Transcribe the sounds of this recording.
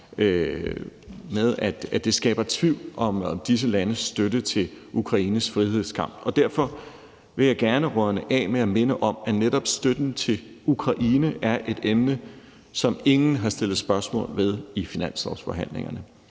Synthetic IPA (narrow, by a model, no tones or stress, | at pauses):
með̞ˠæd̥æd̥e̝sɡ̥ɛ̰ːb̥ɐt͡sʰʋiʊ̰lʔɒ̽md̥is̬əlænəsːd̥ødət͡sʰe̝ukʰʁɑ̈iːnəsfʁihe̝ð̰ˠskʰɑ̈m̰b̥ɒ̽d̥æɐ̰fɒ̽ | ʋe̝jɑ̈ɪɡ̥æɐnəʁœɐnəʔɛ̰ːmeæme̝nəʔɒ̽mæneɾ̥ɒ̽b̥sd̥ød̥n̩t͡sʰe̝ | ukʰʁɑ̈ʔiːnəʔæɐʔe̝d̥emnə | sɒ̽me̝ŋn̩ɦɑ̈sd̥e̝l̰ð̩ˠsb̥ɶɐsmɔ̰̽ːlʋe̝ð̞ˠifinæn̰slɒʊsfɒ̽ɦæn̰le̝̰ŋɐnə